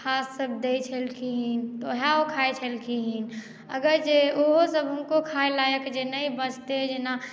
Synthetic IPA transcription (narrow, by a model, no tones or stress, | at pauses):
kʰasːəbʱd̪et͡ʃʰəlkʰiɦint̪oɦaokʰaet͡ʃʰəlkʰiɦin | əɡəɾd͡ʒeoɦosəbɦənkokʰaelajəkd͡ʒenaibət͡ʃʰt̪ed͡ʒena